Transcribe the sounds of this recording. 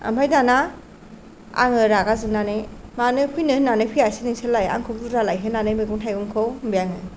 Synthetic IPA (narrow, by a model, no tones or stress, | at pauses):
a̰majdana | a̰ŋɯɾakazɯnanejmanɯpʰujnɯhnːanɯpʰɯjasiniŋsʰelːaja̰ŋkʰɔk̚duɾalajɦɯnanɯjmeɡuŋtʰajɡumkʰowmbijaŋɯ